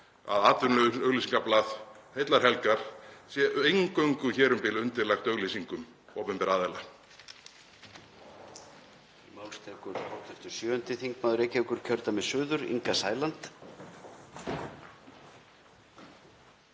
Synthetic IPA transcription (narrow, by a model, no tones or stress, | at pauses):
a̰ðaːt̪ʏnlœɣlisiŋkaplaːðhejt̪laɾ̥ɦɛlkaɾ̥sjɛʔejŋkœɥŋkʏçɛːɾʏmpɪlʏnt̪ɪɾlaxt̪œɣlisiŋkʏm | oːwpɛmpɛɾaːðɛla | imawlst̪ʰɛkʏɾ̥kʰɔht̪ɛft̪ʏ̥sjœːʏnt̪ɪθiŋkmaːðʏɾejcɛkʏɾ̥cʰœɾt̪amɛsʏːðʏɾḭŋkasaːjlant̪